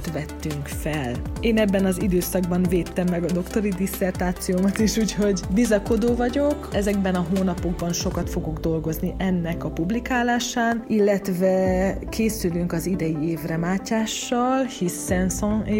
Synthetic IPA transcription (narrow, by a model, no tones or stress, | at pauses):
t̪vɛt̪ːyŋkfɛleːnɛbːɛnɒzid̪øːsɒɡbɒɱveːt̪ːɛmːɛɡɒd̪o̞kt̪o̞ɾid̪isːɛrt̪aːt̪sijoːmɒt̪iʃuːcho̞ɟbizɒko̞d̪oːvɒɟo̞kɛzɛɡ̚bɛnɒɦoːnɒpo̞ɡbɒnʃo̞kɒt̪fo̞ɡo̞ɡd̪o̞lɡo̞zniʔɛnːɛkɒpublikaːlaːʃaːnilːɛt̪vɛkʰeːsylyŋkɒzid̪ɛjieːvrɛmaːcaːʃːɒlhisɛnsõe